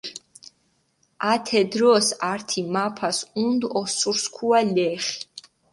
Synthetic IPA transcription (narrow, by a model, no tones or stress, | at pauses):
at̪ʰɛd̪ɾɔsaɾt̪ʰimapʰasund̪ɔsuɾskʰualɛːχi̥